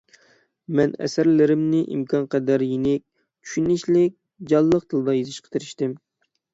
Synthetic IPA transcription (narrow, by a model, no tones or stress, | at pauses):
mɛnɛ̰sæɾlɪɾɪmnɪʔḭmkʲʰɑnqɛd̪æɾjenɪk̚ʲ | t͡ʃʲʰy̥ʃynɪʃlɪk̚ʲ | d͡ʒɑlˠːəq̚t̪ʰɨlˠd̪ɑjezɪʃqʰə̥t̪ʰeɾɪʃt̪ɪm